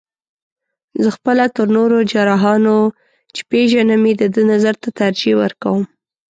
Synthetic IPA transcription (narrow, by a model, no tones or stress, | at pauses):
zəxpəlat̪əɾnoɾod͡ʒaɾɑɦɑno | t͡ʃe̥peʒanamed̪əd̪ənazaɾt̪at̪aɾd͡ʒewəɾkawəm